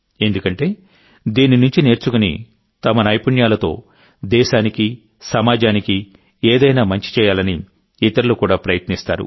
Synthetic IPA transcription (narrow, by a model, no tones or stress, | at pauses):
e̞nd̪ukɐɳʈe̞ː | d̪iːninuɲt͡ʃine̞ːɾt͡ʃukunḭ | t̪ɐmɐnɐjpuɳjaːlɐt̪o̞̰ː | d̪ɛːʃaːniki | sɐmaːd͡ʒaːniki | eːd̪ɐjnaːmɐɲt͡ʃi̥t͡ʃɛːjaːlɐniː | t̪ɐɾulukuːɽaːpɾɐjɐt̪nist̪a̰ːɾṵ